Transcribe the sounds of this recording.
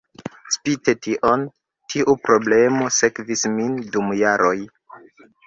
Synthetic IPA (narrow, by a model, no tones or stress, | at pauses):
spitetiʔo̞n | tʰiʔupɾo̞ble̞mo̞se̞kvismindumjaɾʔo̞j